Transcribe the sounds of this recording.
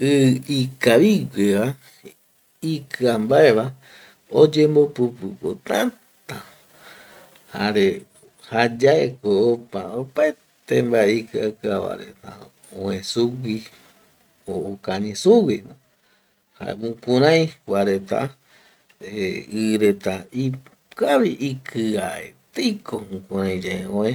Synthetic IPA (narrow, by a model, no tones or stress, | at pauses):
ɨikaβiɡʷeʋa | ikɨambaeβa | od͡ʒẽmbopɨpɨko̰t̪ã | t̪a | haɾe | had͡ʒaekoopaopae | t̪embaeikɨakɨaβa̰ɾḛt̪ã | õẽsuwi | ookaɲĩsuwimõ | ha̰ḛmũkũɾãj̃waɾet̪a̰ | eɨɾet̪ai | kaβiʔikʰɨaḛt̪ijkʰoũkũɾãj̃d͡ʒeeõe